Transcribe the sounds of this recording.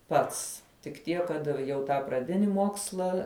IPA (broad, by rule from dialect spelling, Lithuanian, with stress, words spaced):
ˈpɐts tʲɪk ˈtʲiɛk kɐt jɛʊ ˈtɑː prɐˈdʲɪnʲɪ ˈmoːkslˠɐ